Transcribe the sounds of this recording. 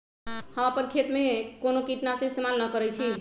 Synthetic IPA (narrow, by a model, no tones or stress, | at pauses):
həmapəɾkʰet̪mekonokiʈnasə̃ist̪emanːəkəɾɛjt͡ʃʰi